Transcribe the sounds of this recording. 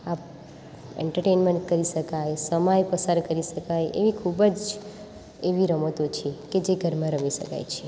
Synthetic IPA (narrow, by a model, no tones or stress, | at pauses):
ap | ḛɳʈəɾʈenmẽɳʈkəɾiʃəkajsəmajpəsaɾkəɾiʃəkajḛʋikʰubəd͡ʒ | eʋiɾəmot̪ot͡ʃʰieked͡ʒeɡʱəɾmãɾəmiʃə̰ka̰jt͡ʃʰe